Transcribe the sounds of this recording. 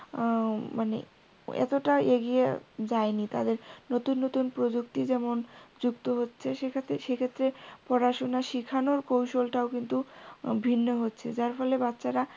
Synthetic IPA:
manḛ | ɛ̰t̪oʈaʔeɡied͡ʑaenit̪a̰d̪eɾnot̪unːot̪unpɾod͡ʑuk̚t̪id͡ʑɛmond͡ʑukt̪oɦotːɕʰeʃekʰt̪eʃekʰet̪ːɾepɔɾaʃonaʃikʰanoɾkowʃolʈaokint̪ubʱinːoɦotːɕʰḛd͡ʑaɾfɔlebatːɕaɾa

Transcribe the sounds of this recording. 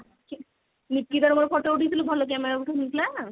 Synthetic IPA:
ki | nip̚kid̪aɾomaɾkʰɔʈeuʈʰit̪ʰilobʱalok̬ɛmɛɾauʈʰanik̪la

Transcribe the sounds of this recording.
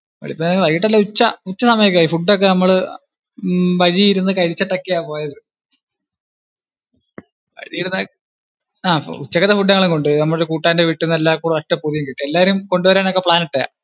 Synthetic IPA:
ɐ̰ɭipːoʋɐɻiiʈːɐlːɐut͡ɕːɐut͡ɕːɐsɐmɐjɐkʲːumaiːfuɖːok̬ːe̞nɐmːɐɭ | ʋɐɻiiɾunːɨkɐɻit͡ɕːɐʈːɐkːijaːpo̞ːjɐðɨ | ɐ̰ɻijiɽnːɐ | aːut͡ɕːɐkːɐt̪ːɐfuɖːɐŋːɐɭumko̞ɳɖɨnɐmːɐɭɽekuːʈːaːndeʋiʈːunelːaːkuːɽɐɐʂʈːɐpuðijumkiʈːɨelːaːʋɐɾumko̞ɳɖuʋɐɾaːno̞kːe̞pɭaːniʈːea̰

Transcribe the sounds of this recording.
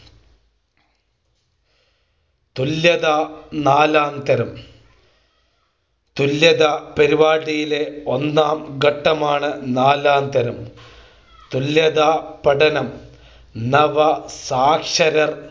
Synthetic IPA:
t̪uljɐðaːnaːlaːnd̪ɐɾɐm | t̪uljɐðapeɾiʋaːɽijileo̞nːaːmɡɐʈːɐmaːɳɨnaːlaːnd̪ɐɾɐm | t̪uljɐðaːpɐɽɐnɐm | nɐʋɐsaːkʂɐɾɐr

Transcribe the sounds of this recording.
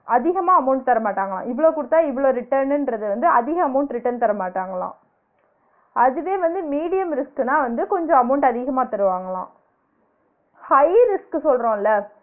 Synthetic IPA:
ɐðɪɣɐmaːɐmɐʊɳʈ̚t̪ɐɾɐmaːʈːaːŋɡɐɭã̰ːʔɪʋɐɭoːkʊɽɯt̪ːaːɪʋɐɭoːɾɪʈːɐɾnɪnɖɾɐðɯʋɐnd̪ɯɐðɪɣɐɐmɐʊɳʈɾɪʈːɐɾnt̪ɐɾɐmaːʈːaːŋɡɐɭlã̰ː | ʔɐðɯʋeːʋɐnd̪ɯmiːɽɪjɐmɾɪskɯnaːʋɐnd̪ɯkɔɲd͡ʒɔ̃ɐmɐʊɳʈɐðɪɣɐmaːt̪ɐɾɯʋaːŋɡɐɭã̰ː | hɐɪɾɪsksɔlɾõːɪlːɐ

